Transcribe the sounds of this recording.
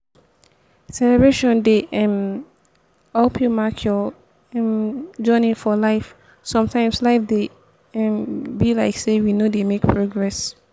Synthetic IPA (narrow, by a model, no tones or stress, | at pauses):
sɛlɛbɹeʃɔ̃ndeʔɛ̃m | ɔpʰjumakʰjɔ | ɛ̃md͡ʒɔ̃ɪ̃nɪ̃ŋfɔlaɪf | sɔ̃mtʰãɪ̃mslaɪfde | ɛ̃mbilaɪksewinodemekpʰɹoɡɹɛs